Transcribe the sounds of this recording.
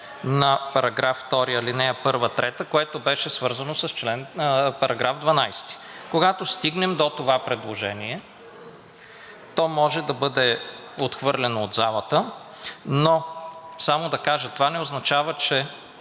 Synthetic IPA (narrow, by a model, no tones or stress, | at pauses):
nɐpɐɾɐɡɾafːt̪ɔɾiɐlinɛɐpɤɾvət̪ɾɛt̪əkoɛt̪obɛʃɛsvɤɾzɐnosɐst͡ʃlɛnpɐɾɐɡɾavd̪vɐnajst̪i̥koɡat̪ost̪iɡnɛmd̪ot̪ovapɾɛd̪lˠoʒɛniɛ | t̪ɔmɔʒɛd̪ɐbɤd̪ɛ | ot̪xvɤɾlʲɛnoːd̪zalˠət̪ə | nosamod̪ɐkaʒət̪ovanɛoznɐt͡ʃavət͡ʃɛ